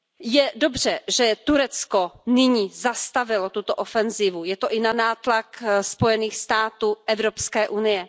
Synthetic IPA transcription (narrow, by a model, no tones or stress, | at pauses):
jɛdo̞br̝ɛʒɛt̪uɾɛt͡skonɪɲiːzast̪avɪlot̪ut̪oʔofɛnziːvujɛt̪oʔɪnanaːt̪lakspo̞jɛniːxst̪aːt̪uːʔɛvɾopskɛːʔunɪjɛ